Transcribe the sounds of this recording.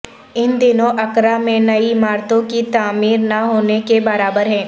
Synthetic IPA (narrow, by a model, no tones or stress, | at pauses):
ɪnd̪ɪnõʔɐkɾamẽnɐimaːɾt̪õkit̪aːmiːɾnaɦoːnekebɐɾaːbəɾɦɛ̃ː